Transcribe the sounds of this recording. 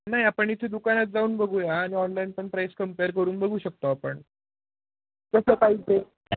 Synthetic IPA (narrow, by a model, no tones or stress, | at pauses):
naɦiapəɳit̪ʰed̪ukanat̪̚d͡zauːnbəɡʱuːjaːɽ̃iɔnlainpəɳpɾajskəmpeəɾkəɾuːnbəɡʱuːɕək̚t̪oapəɳ | kəsəpaɦit͡se